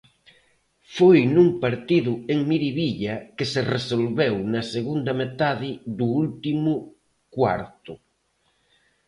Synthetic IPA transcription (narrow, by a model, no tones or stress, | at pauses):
fojnuŋpaɾt̪iðʊeŋmiɾiβiʎɐkeseresolβewnɐseɣund̪ɐmet̪aðɪðuult̪imʊ | kwa̰ɾt̪ʊ